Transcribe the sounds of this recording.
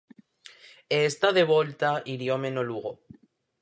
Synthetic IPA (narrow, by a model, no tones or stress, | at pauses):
est̪aðeβo̞lt̪aʔiɾjo̞mẽnoluɣo